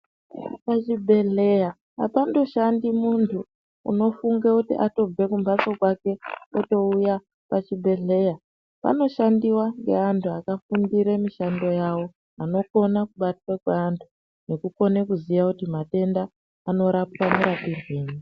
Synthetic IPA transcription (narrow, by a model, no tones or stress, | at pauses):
pat͡ʃibʱe̞ɬe̞ja | a̰pando̞ʃandimuntʰuː | ṵno̞fuŋɡekutḭʔato̞b͡ve̞kumbat͡so̞kwake̞oto̞uja | pat͡ʃibʱe̞ɬe̞ja | pa̰no̞ʃandiwaŋɡe̞̰antʰuakafundiɾemiʃando̞jawo̞ | ano̞ko̞nakuɓatwakweantʰu | ne̞kuko̞ne̞kuziʋakutimate̞ndaː | no̞ɾap̚wamuɾatirweːɲi